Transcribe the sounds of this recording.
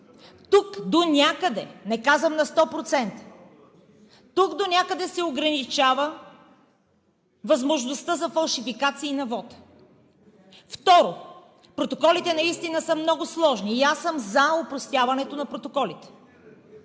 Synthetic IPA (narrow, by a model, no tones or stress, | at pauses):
t̪ukd̪onʲakəd̪ɛnɛkazvəmnɐst̪ɔpɾot̪sɛnt̪ə̥ | t̪ukd̪onʲakəd̪ɛsɛoɡɾɐnit͡ʃavə | vɐzmoʒnost̪əzɐfɐlˠʃifikat̪siːnɐvɔt̪ | ft̪ɔɾo | pɾot̪okɔlit̪ɛnɐist̪inəsəmnɔɡʊslˠɔʒniːasəmzɐopɾost̪javɐnɛt̪onɐpɾot̪okɔlit̪ɛ̥